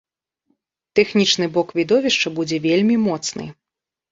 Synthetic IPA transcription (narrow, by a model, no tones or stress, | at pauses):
t̪ɛxnʲit͡ʂnɨbɔkvʲid̪ɔvʲiʂt͡ʂɐbud͡zʲɛvʲelʲmʲimɔt̪snɨ̰